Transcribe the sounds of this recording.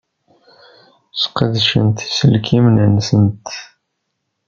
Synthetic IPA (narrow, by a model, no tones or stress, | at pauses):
sqəðʃə̰nt̪i̥səlkʰimnənsənt̪